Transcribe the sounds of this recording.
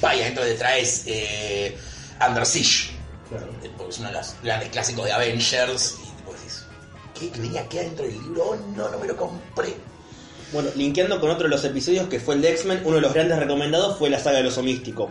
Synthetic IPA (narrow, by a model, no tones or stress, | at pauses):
bajaðent̪ɾoðet̪ɾaese | a̰nd̪eɾsiʃklaɾopoɾkesunaðelo̰sɣɾand̪ehklasikoðeaβenʃeɾsit̪i̥poesis | kekeβeniakeaðent̪ɾoðelːiβɾoononomelokompɾe | bwe̞noliŋkjand̪o̞ko̞no̞t̪ɾoelose̞piso̞ð̞jo̞skefweld̪eksmẽnunoðeloɣɾand̪esreko̞mẽnd̪aðo̞sfwelasaɣaðelo̞somist̪iko